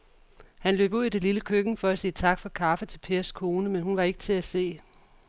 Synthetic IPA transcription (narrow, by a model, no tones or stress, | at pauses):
hænlø̰ːb̥uð̰ˠid̥e̝liləkʰøɡ̥n̩fɒ̽æsiːət͡sʰɑ̈ɡ̥fɒ̽kʰɑ̈fət͡sʰe̝lpʰe̝ːɐskʰo̝ːnəmenhunʋɑ̈e̝ɡ̥ə̥t͡sʰe̝æse̝̰ː